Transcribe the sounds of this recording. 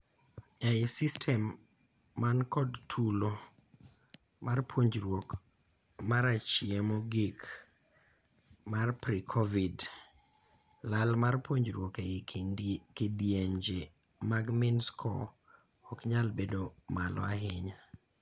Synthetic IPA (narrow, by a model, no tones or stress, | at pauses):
ɛjsistʰɛmː | ankɔdtʰulo | marpwoɲd͡ʒɾwok | maɾat͡ʃiemɔɡik | marpɾikʰɔvid | lalmarpwoɲd͡ʒɾwoke | kidieɲd͡ʒe | maɡmɪnskʰɔ̰ | ɔkɲalbedomalɔ̰aɦɪɲa